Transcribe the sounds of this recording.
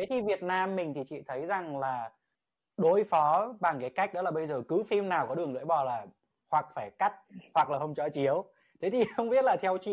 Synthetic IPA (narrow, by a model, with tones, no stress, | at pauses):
t̪ʰe˨˦t̪ʰi˨˩vi˨˩ət̚naː˧mːï˨˩ŋ̟t̪ʰi˨˩t͡ɕḭ˧˨t̪ʰə˨˦jza˨˩ŋlaː˨˩ | ɗo˨˧˦jfɔ˨˦ɓa˨˩ŋkaː˨˦jka˦˥jk̟̚ɗɔ˨˦laː˨˩ɓə˧jzəː˨˩kɨ˨˦fi˧mnaː˨˩wkɔ˨˦ɗɨ˨˩əŋlɨ̰˧˥jɓɔ˨˩laː˨˩ | hwa˨˩k̚faː˧˩jka˦˥t̚hwa˨˩k̚laː˨˩hə˧wŋ͡mt͡ɕɔ˧t͡ɕi˨˦əw | t̪ʰe˨˦t̪ʰi˨˩xə˧wŋ͡mɓi˦˥ət̚laː˨˩t̪ʰɛ˧wt͡ɕḭ˧˨